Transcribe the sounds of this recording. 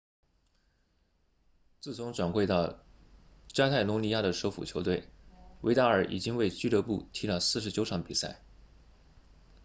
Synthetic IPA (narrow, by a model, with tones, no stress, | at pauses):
t͡sɹ̩˥˩t͡sʰʊ˧˥ŋʈ͡ʂwa˨˩nxwe˥˧ɪt̪ɑ˥˩ʊ | t͡ɕja˥t̪ʰa˥˩ɪlʊ˧˥li˥ja˥˩d̪ə˩ʂo˧˥ʊfṵ˨˩t͡ɕʰjo˧˥ʊt̪we˥˩ɪwe˧˥ɪa˥ə˞˨˩˥ʔḭ˨˩t͡ɕi˥ŋwe˥˩ɪt͡ɕy˥t̪ɤ˧˥pu˥˩t̪ʰi˧˥lə˥˧˩sɹ̩˥˩ʂ̬ɻ̩˧˥t͡ɕjo˧˥ʊʈ͡ʂʰɑ˧˥ŋpi˨˩sa˥˩ɪ